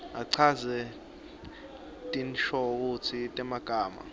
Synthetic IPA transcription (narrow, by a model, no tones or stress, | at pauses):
aǀʰazɛ | tʼinʃɔk̬utʰitʼɛmaɡ̥ʱaːma̰